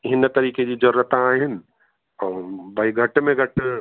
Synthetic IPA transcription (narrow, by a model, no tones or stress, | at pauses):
ɪɦɪnt̪ɐɾiːked͡ʑid͡ʒɐɾuɾət̪ãaːɦɪnɪ̆ | ɔːbɐiɡʱɐʈmẽɡʱɐʈ